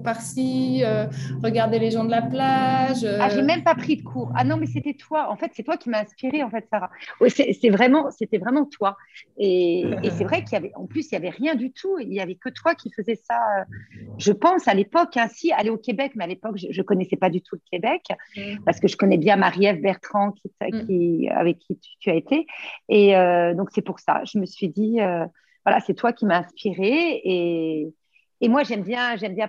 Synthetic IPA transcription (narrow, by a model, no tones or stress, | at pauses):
paʁsiøʁəɡaʁd̪eleʒɑ̃d̪əlaplaʒøaʒemɛmpapχid̪əkʰuːʁa̰nɔ̃mɛs̬et̪ɛt̪waɑ̃fɛt̪sɛt̪wakʲimaɛ̃spiʁeɑ̃fɛt̪saʁawɛsɛsɛvʁɛmɑ̃set̪ɛvʁɛmɑ̃t̪waeːsɛvʁɛkiljavɛʔɑ̰̃plysiljavɛʁjɛ̃d̪yt̪ʰueiljavɛkət̪wakʲifəzɛsaøʒəpɑ̃salepɔkɛ̃sialeokʲebɛkmɛalepɔkʒəʒəkɔnɛsɛpad̪yt̪ʰuləkʲebɛkpaʁsə̥kəʒəkɔnɛbjɛ̃maʁjɛvbɛʁt̪χɑ̃kʲet̪kʲʰia̰vɛkːit̪y̥t̪ʰyaet̪eeød̪ɔ̃ksɛpuʁsa̰ʒəməsɥid̪iø | vwala̰sɛt̪wakʲimaɛ̃spiʁeː | mwaʒɛmbjɛ̃ʒɛmbjɛ̃